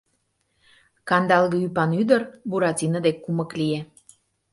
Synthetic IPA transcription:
kɑnd̪ɑlɣəypɑnyd̪ərbuɾɑtʲinəd̪ekːuməklije

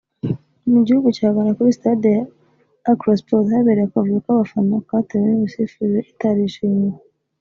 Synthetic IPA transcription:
niɟihuɡucaːɡanakuɾisi̥tadi | akɾospothaβeːɾejakavukaβafanokatewenimisifuzeʔitaɾiʃiɲe

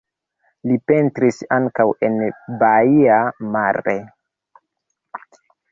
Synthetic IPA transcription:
lipe̞ntɾisaŋkawe̞nbaiamaɾe

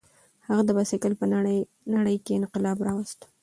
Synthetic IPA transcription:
haɣad̪əbɑsɪkəlpə | naɽəjkeɪnqɪlɑbɾɑwast̪

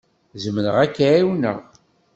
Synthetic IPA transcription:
zəmənəʁækːaiwnə̰ʁ

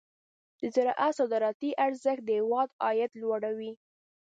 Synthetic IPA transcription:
d̪̥əzaɾɑʔasɑd̪ɑɾɑt̪iʔaɾzəxt̪̚d̪əhɪwɑd̪ɑjad̪lwaɽawi

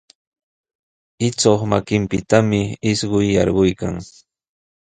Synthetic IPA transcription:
ɪt͡soχmakɪmpɪt̪amɪɪsɢʊjːɑɾɢʊjkaŋ

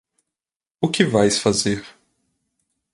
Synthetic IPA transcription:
ʊkɪvajsfazeɾ

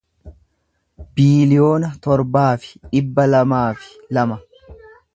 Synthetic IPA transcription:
biːlɪjo̞ːnɐt̪ɔɾbaːfɪ̥ᶑɪbːɐlɐmaːfɪ̥ | lɐmɐ

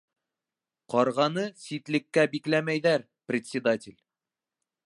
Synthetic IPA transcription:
qɒɾʁɑnɤsit̪lɘ̆kːæbiklæmæjðæɾ | prʲɪt̪sʲɪd̪atʲɪlʲ

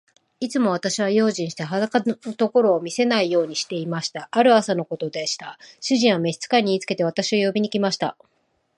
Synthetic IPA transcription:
it͡sɨmo̞βat̪aɕiβ̞ajo̞ːʑĩɰ̃ɕi̥t̪eɦad̪akanot̪o̞ko̞ɾo̞ːmʲise̞naijo̞ːɲ̟iɕi̥t̪e̞imaɕi̥t̪aʔaɾɯ̟asano̞ko̞t̪o̞d̪e̞ɕi̥t̪aɕɨʑĩɰ̃ame̞çi̥t͡sɨ̥kaɲ̟iiːt͡sɨ̥ke̞t̪e̞βat̪aɕio̞jo̞bʲiɲ̟ikʲimaɕi̥t̪a̰

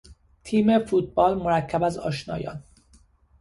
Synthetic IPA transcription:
t̪ʰiːme̞fuːt̪̚bɒːlmoɾæcʰːæbæzɒ̰ːʃnɒːjɒ̰ːn

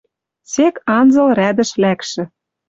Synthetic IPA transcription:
sekɑnzɤ̆lræd̪ɘ̆ʃlækʃɘ̆

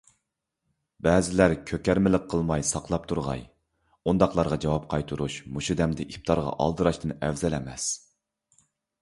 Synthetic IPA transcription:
bɛːzɪlæɾkʲʰøkʲæɾmɪlɪqqʰːəlˠmɑjsɑqʰlˠɑp̚t̪ʰuɾʁɑ̰j | und̪ɑqlˠɑɾʁɑd͡ʒɑwɑp̚qʰɑjt̪ʰuɾuʃmuʃud̪ɛmd̪ɪʔip̚t̪ʰɑɾʁɑ̰ʔɑ̰lˠd̪ɨɾɑʃt̪ɨnɛvzɛlɛmɛs

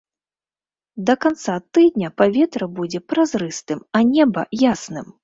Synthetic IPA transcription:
d̪ɐkant̪sat̪ɨd̪ʲnʲɐpavʲɛt̪ɾɐbud͡zʲɛpɾazɾɨst̪ɨmɐnʲɛbɐjasnɨm

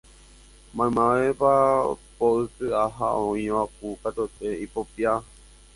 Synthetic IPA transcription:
mãmãʋepapoɨsɨaɦaõĩʋak̚ukat̪ot̪eipopia

